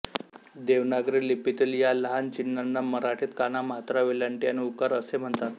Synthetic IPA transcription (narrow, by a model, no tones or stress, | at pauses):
d̪eʋnaɡɾilipːit̪iːljaləɦant͡ɕinːanːaməɾaʈʰiːt̪kanaməɦat̪ɾaʋeljaɳʈjaniukaɾəsem̤əɳt̪at̪